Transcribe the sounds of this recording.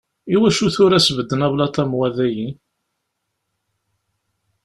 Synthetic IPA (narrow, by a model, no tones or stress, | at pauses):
iwæʃuθʊɾæsvəd̪ːənævlɑt̪ˤɑmwæðæjin